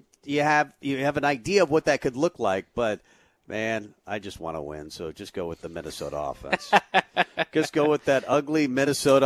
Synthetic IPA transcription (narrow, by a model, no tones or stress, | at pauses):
jɨːvjɨːvɨ̃naɪdiɨʌvwʌt̪̚ðɨt̚kʰɨdˡlʊklaɪk̚b̥ʌt̚ | mʔæ̃n | aɪd͡ʒʌst̚wɑ̰̃nə̰wɪ̰̃nsoʊd͡ʒʌsɡ̥oʊwɨðəmɪ̰nɨsoʊɾə̰ɔ̰fɛ̰̃ns | ʌsɡ̥oʊwəðɨɾʌɡlimɪnɨsoʊɾ